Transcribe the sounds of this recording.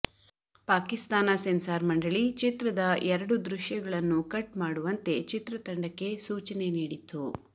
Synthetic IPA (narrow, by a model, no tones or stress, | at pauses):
paːkist̪aːnɐsensaːɾmɐɳɖɐɭit͡ʃit̪ɾɐd̪ɐʔɛɾɐɽud̪ɾuʂjɐɡɐɭɐnːukɐʈmaːɽuʋɐnt̪e̞t͡ʃit̪ɾɐt̪ɐɳɖɐkːe̞suːt͡ʃɐne̞niːɽit̪ːu